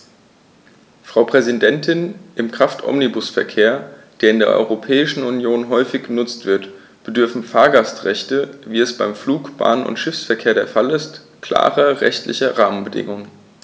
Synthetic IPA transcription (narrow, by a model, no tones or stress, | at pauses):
fʁ̥aʊpʁ̥ɛzidɛntʰɪnʔɪmkʁ̥aftʰʔɔ̰mnibʊsfɛɐkʰeːɐd̥eːɐɪndeːɐʔɔ̰ʏʁopʰɛːɪʃn̩unjoːnɦɔʏfɪçɡ̥ənʊt͡stv̥ɪɐt | b̥ədʏɐfn̩faːɐɡastʁɛçtəviːɛsb̥aɪmfluːkb̥a̰ːnənʊ̰ntʃɪfsfɛɐkʰeːɐɾeːɐfalɪst | kl̥a̰ːʁɐʁɛ̰çtlɪ̰çɐʁaːmənbədɪ̰ŋʊŋə